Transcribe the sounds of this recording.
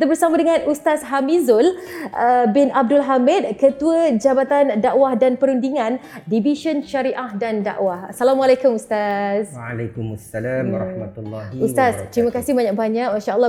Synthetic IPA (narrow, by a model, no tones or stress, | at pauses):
t̪abəɾsamadəŋãnʔust̪asɦamizʊlʔəbɪnʔab̚dʊlɦamɪt̪̚kət̪uəd͡ʒabat̪andaʔwahdanpəɾundiŋãndibiʃənʃaɾiʔahdanda̰ʔwahsalamalakʊmust̪asalakumasːalamɾmat̪lːust̪ast̪ɾimakasɪhbaɲak̚baɲak̚maʃaəlː